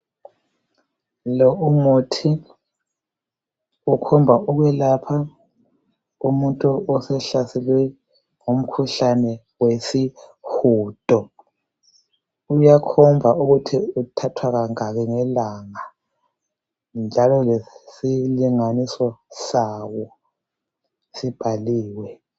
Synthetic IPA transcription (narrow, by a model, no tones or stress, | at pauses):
lɔumotʰi | ukʰɔmbʱaʔuɣwɛlapʰa | umuntʼuɔsɛɬasɛlwɛ | ŋum̩kʰuɬanɛ | wesixuːd̥ʱʼɔ | ujakʰɔmbvʱaʔuɣutʰiutʰatʰwaɣaŋaɣɛŋɛlaŋa | nd͡ʒʱalɔlesiliŋanisɔsawɔ | sib̥ʱaliːwɛ